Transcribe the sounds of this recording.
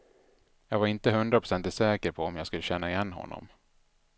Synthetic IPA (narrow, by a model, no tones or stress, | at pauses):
jɑːɡvaɾɪnt̪əɦɵnd̪ɾapʰɾʊ̥sɛnt̪ɪsɛːkəɾpʰɔɔmjaːɡskɵlːəɕɛnːaɪjɛnːɦɔ̰nːɔ̰m